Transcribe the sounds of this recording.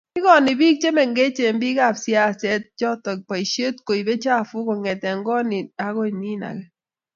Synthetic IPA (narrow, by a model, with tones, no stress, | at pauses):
kɪ˦kɔ˨nɪ˨bi˦k̚t͡ʃe˦mɛ˨ŋɡe˦t͡ʃe˨mbi˦ɡa˦˨psja˦˨sɛ˦t̚d͡ʒɔ˦tɔ˨k̚pa˨i˨ʃe˦tko˨i˨be˦t͡ʃa˦˨fʊ˦kɔ˨ŋɛ˨tɛ˨ŋɡɔ˦nɪ˨a˦ɡɔ˦i˨ni˦na̰˨kɛ˦